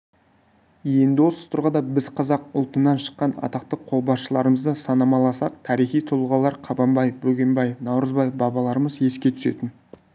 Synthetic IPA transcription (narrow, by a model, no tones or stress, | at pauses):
je̞nd̪ɪwo̞sə̥t̪ʰʊɾʁɑd̪ɑbɪzqʰɑzɑq̚ʊlˠt̪ənːɑnʃə̥qːɑnɑ̰t̪ɑqt̪əqʰo̞lˠbɑsʃəlˠɑɾəməzd̪əsɑnɑmɑlˠɑsɑq̚t̪ʰɑɾijχijt̪ʰʊlˠʁɑlˠɑɾqʰɑbɑmbɑjbɵɡʲe̞mbɑjnɑwɾəzbɑjbɑbɑlˠɑɾəməzje̞skʲe̞t̪ʰʏ̥se̞̰t̪ɪn